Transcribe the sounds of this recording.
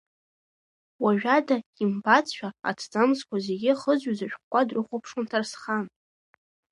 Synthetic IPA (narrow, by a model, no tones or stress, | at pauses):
waʒᶣadaimbat͡sʰʷᶣaa̰tʰd͡zʼamzkʷazeɡʲɪχəzɥazaʃᶣχkʷʼːadrɨχʷopʰʂontʰarsχan